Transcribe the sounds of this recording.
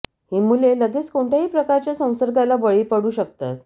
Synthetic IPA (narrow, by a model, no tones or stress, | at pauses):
himuleləɡet͡skoɳʈʰjaɦiːpɾəkaɾt͡ɕjasə̃w̃səɾɡalabəɭiːpəɽuːɕək̚t̪a̰t̪̚